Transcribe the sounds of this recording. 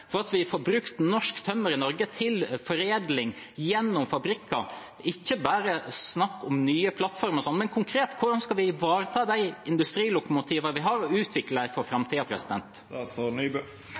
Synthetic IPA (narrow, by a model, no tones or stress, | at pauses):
fɔɾɑt̪ʋɪfɔːɾbɾʉkt̪nɔʂkt̪ʰœmːəɾɪnɔɾɡət̪ʰɪlfɔɾeːd̪lɪŋ | jɛnːʊmfɑbɾɪkːɑ | ɪçːəbæːɾəsnɑkːʊmnyːəpʰlɑt̪ːfɔɾməɾsɔnmɛnkʰʊŋkʰɾeːt̪kʰʊɾɖɑnskɑlʋɪʋɑːɾət̪ʰɑːd̪æɪɪnd̪ʉst̪ɾiːlʊkʊmʊt̪ʰiːʋəʋɪɦɑɾɔʉːt̪ʰʋɪkləɪfɔɾfɾɑmt̪ʰiːɑpʰɾɛsɪd̪ɛ̰nt̪ | sɔnyb